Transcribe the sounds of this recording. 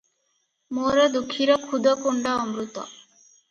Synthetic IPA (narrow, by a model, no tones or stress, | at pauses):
moɾɔd̪ukʰːiɾɔkʰud̪ʱɔkuɳɖaɔmɾut̪ɔ̰